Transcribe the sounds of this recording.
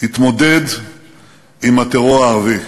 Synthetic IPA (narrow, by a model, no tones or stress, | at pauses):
hit̪mo̞d̪ed̪ | imat̪eʁoʁaːʁavi